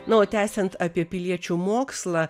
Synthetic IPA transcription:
nɐoːt̪ʲæːsʲɛnt̪ɑːpʲiɛpʲɪlʲiɛt͡ʃʲuːmoːkslˠɑː

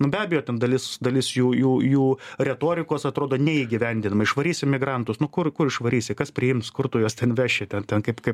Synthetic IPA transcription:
nʊbʲæːbʲɛjoːt̪ʲɛnd̪ɐlʲɪsd̪ɐlʲɪsjuːjuːjuːɾʲɛt̪oːɾʲɪkoːsɐt̪ɾoːd̪oːnʲɛiːɡʲɪʋʲɛnʲd̪ʲɪnɐmɐɪʃʋɐɾʲiːsʲɪmʲɪɡɾɐnt̪ʊsnʊkʊrkʊɾɪʃʋɐɾʲiːsʲɪkɐspʲɾʲɪjɪmt̪skʊrt̪uːjoːstʲɛnʋʲæːʃʲeːt̪ʲɛntʲɛnkɐɪpkɐɪp

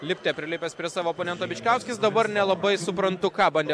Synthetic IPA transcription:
lʲɪpʲt̪ʲeːpʲɾʲɪlʲɪpʲɛspʲɾʲiɛsɑːʋoːponʲɛnt̪oːbʲɪt͡ʃʲkʲæˑʊsʲkʲɪsd̪ɐbɐɾnʲɛlˠɐbɐɪsʊpɾɐnt̪ʊkɑːbɐnʲd̪ʲɛ

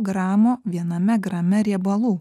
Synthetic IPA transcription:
ɡɾɑːmoːʋʲiɛnɐmʲɛɡɾɐmʲɛɾʲiɛbɐlˠuː

